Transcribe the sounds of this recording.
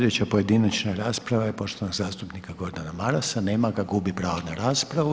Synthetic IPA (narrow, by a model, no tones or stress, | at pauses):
d̪et͡ɕapoje̞d̪inat͡ʃnaɾaːspɾaʋajepo̞ʃt̪onoɡzaːst̪upnikaɡo̞ɾd̪anamaɾasaneːmaɡaɡubipɾaːʋonaɾaːspɾaʋu